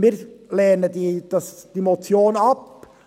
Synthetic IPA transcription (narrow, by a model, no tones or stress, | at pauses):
miːɾlɛːnədiːd̥ɑsd̥imot͡sjoːnɑp